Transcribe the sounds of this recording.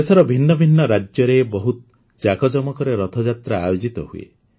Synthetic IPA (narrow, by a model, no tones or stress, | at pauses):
esɔɾɔbʱinːɔbʱinːɔɾad͡ʒjɔɾebɔɦut̪ɔ | d͡ʒakɔd͡ʒɔmɔkɔɾeɾɔt̪ʰɔd͡ʒat̪ɾa̰ːjod͡ʒit̪ɔhuḛ